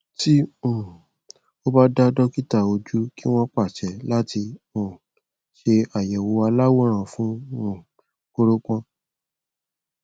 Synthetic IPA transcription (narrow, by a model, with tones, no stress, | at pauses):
ti˦ũ˨ | o˦ba˦da˦dɔ˦ki˦ta˦˨o˧d͡ʒu˦ki˦w̃ɔ̃˦k͡pa˦˨t͡ʃɛ˨˦la˦ti˧ũ˨ | ʃe˧a˨jɛ˨wo˧a˧la˦wo˦ɾ̃ã˦˨fũ˦ũ˨ | ko˧ɾo˦kã˦